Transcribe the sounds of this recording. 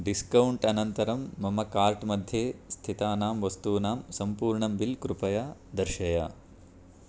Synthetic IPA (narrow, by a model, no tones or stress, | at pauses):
ɖiskɐwuɳʈɐnɐnt̪ɐɾɐmːɐmɐkaːɾʈmɐd̪ʱjeːst̪ʰit̪aːnaːmʋɐst̪uːnaːmsɐmpuːɾɳɐmbilkɾupɐjaːd̪ɐɾʃɐja̰